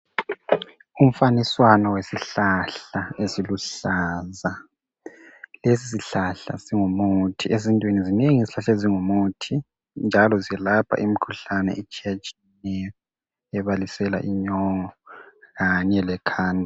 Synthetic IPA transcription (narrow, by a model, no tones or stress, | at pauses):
um̩faniswanɔwesiɬaɬaesiluɬaːza | lesisiɬaɬa̰siŋumutʰiʔezintʼwinizineŋiziɬaɬeziŋumutʰi | nd͡ʒʱalɔziɛlapʰa̰ʔimikʰuɬanɛ̰ʔɛt͡ʃʰʼiat͡ʃʼinɛjɔ | ɛβalisɛla̰ʔiɲɔŋɔɣaɲɛlɛkʰaːndʱa